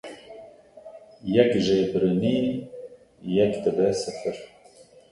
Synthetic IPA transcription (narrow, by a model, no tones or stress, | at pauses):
jɛkʒeːbɾɨniː | jɛkd̪ɨbɛsɨfəɾ